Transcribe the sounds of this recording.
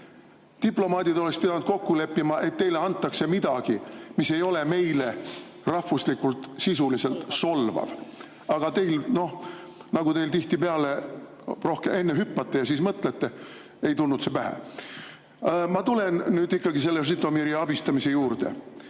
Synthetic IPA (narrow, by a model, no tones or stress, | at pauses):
t̪iplo̞mɑːd̪id̪oekspid̪ɑnud̪̥̚ko̞kːule̞pːimɑʔe̞t̪ːe̞jleɑnt̪ːˑɑkse̞mid̪̥ɑɡ̥imise̞jo̞le̞me̞jle | rɑhvuslikːult̪sisulise̞lt̪so̞lvɑ̰v | ɑɡ̥ɑt̪e̞jlno̞hnɑɡut̪e̞jlt̪iht̪ipeɑle̞ | ro̞hkemʔe̞nːeɦypːɑt̪ˑːejɑsiːsmɤt̪ˑlet̪ːe̞ | e̞jt̪ulnud̪sevæɦæ̰ | mɑt̪ule̞nːyːd̪ikːɑɡis̬e̞lːesrit̪ːˑomiɾiɑb̥ist̪ɑmise̞juːrd̪e̞̰